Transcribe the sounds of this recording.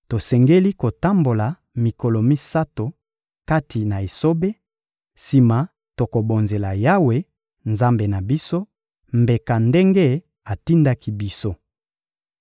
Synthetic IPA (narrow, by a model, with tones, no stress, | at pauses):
to˨sɛ˨ŋɡe˦li˦ko˨ta˦mbo˨la˨ | mi˨ko˨lo˨mi˦sa˦to˨ | ka˦tʰi˨na˨e˨so˦be˦ | si˨ma˨ | to˨ko˨bo˨nze˨la˨ja˦we˨ | nza˦mbe˨na˨bi˦so˦ | mbe˨ka˨nde˦ŋɡe˦ | a˨ti˦nda˦ki˦bi˦so˦